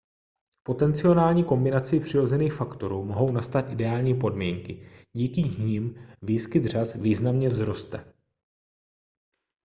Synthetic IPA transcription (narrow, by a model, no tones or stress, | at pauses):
po̞t̪ɛnt͡sɪo̞naːlɲiːko̞mbɪnat͡sɪpr̥ɪɾo̞zɛniːxfakt̪o̞ɾuːmo̞ɦo̞wnast̪at̪ʔɪdɛaːlɲiːpo̞dmiːŋkɪɟiːkɪɲimviːskɪd̪r̝asviːznamɲɛvzɾo̞st̪ɛ̰